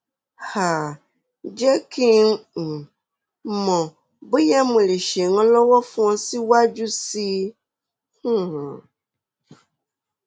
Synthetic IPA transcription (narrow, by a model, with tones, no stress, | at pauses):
ha˨ | d͡ʒɛ˦kʰi˦ŋ̩˦˨ | mɔ̃˨ | bi˦ja˦mũ˨li˨ʃe˨ŋɔ̃˦lɔ˦wɔ˦fɔ̃˦si˦wa˦d͡ʒu˦si˦ | hũ˦˨